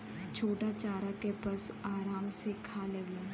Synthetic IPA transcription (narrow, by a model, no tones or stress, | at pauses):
t͡ʃʰoːʈat͡ʃaːɾakepɐsuaːɾaːmsekʰaːleːʋle